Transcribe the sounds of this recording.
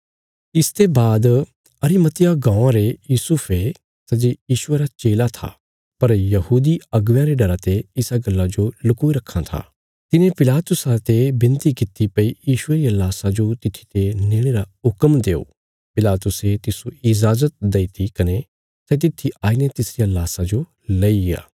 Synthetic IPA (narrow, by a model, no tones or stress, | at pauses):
ɪst̪ebaːd̪ | ɐɾimɐt̪ɪjaɡãːãɾejuːsʊpʰe | sɛd͡ʒejiːʃʊeɾat͡ʃeːlat̪ʰa̰ | pɐɾjɐhuːd̪iɐɡʋjãɾeɖɐɾat̪eɪsaɡɐlːad͡ʒolʊkuiɾɐkʰːãt̪ʰa̰ː | t̪ɪnẽpɪlaːt̪ʊsat̪ebɪ̃nt̪ikɪt̪ipɐijiːʃʊeɾiɐlaːsad͡ʒot̪ɪt̪ʰːi̥t̪eneːɽ̃eɾaɦʊkəmd̪eːo̰ː | pɪlaːt̪ʊset̪ɪsuɪd͡ʒaːzət̪̚d̪eːit̪ʰikɐne | sɛːt̪̬ɪt̪ʰːiʔaːinet̪ɪsɾijalaːsad͡ʒo | lɐia̰ː